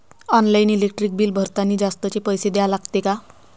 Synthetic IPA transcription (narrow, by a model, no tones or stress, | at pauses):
ɔnlainilekʈɾik̚biːlbʱəɾt̪aniːd͡zast̪ət͡ɕepəjsed̪ɛjalaɡt̪eka